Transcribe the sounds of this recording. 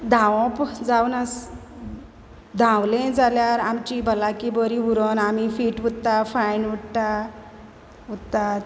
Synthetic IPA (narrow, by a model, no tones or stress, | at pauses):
d̪ʱãwɔ̃pd͡zawnas | d̪ʱãwlẽd͡zaljaɾamt͡ɕibʱəlakibəɾiuɾənamifiːʈʋut̪t̪afajnʋuɽt̪a | ut̪t̪at̪